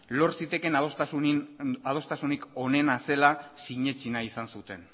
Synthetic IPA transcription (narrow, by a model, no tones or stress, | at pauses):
lo̞ɾsit̪e̞ke̞naðost̪asuninað̞o̞st̪asuniko̞ne̞nase̞lasiɲe̞t͡ʃinaisansut̪e̞n